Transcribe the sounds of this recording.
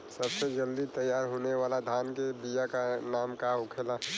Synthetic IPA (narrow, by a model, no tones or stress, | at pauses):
səbsed͡ʒɐld̪it̪əjːaːɾɦoːneʋaːlad̪ʱaːnkebijakanaːmkaʊkʰela